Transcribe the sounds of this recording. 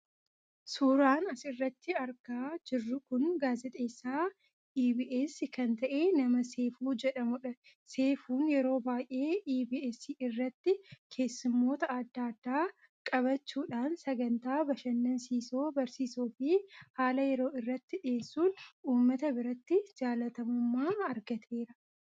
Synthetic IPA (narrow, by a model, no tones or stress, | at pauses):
suːɾaːnɐsɪrːɐt̪ːɪɐɾɡaːd͡ʒɪrːʊkʊnɡaːzɪt̪ʼe̞ːsːaː | iːbiːʔesɪkɐnt̪ɐʔe̞ːnɐmɐseːfuːd͡ʒɛᶑɐmʊᶑɐ | se̞ːfuːnjɛɾo̞ːbaːjʔe̞ːʔiːbiːesiɪrːɐt̪ːɪkʰe̞ːsːʊmːo̞ːt̪ɐɐd̪ːaːɐd̪ːaː | kʼɐβɐt͡ʃːuːᶑaːnsɐɡɐnt̪aːbɐʃɐnːɐnsiːsoːbɐɾsiːsuːfihaːlɐjɛɾo̞ːɪrːɐt̪ːɪᶑɪeːsːuːnuːmːɐt̪ɐbɪɾɐt̪ːɪd͡ʒaːlɐt̪ɐmʊmːaːɐɾɡɐt̪ʰe̞ːɾɐ